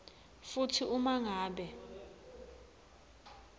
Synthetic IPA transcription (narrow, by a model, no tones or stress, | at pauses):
futʰiumaŋaːɓɛ